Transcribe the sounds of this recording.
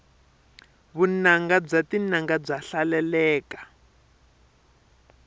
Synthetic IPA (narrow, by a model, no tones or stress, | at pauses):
βunaŋɡab͡ʐatinaŋɡab͡ʐaɬalɛlɛːkḁ